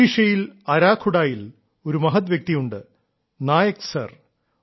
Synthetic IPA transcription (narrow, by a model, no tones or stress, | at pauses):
iʂɐjilɐɾaːkʰːuɽaːjil | o̞ɾumɐɦɐt̪̬ʋjɐk̚t̪ijuɳɖɨ | naːjɐksɐ̰r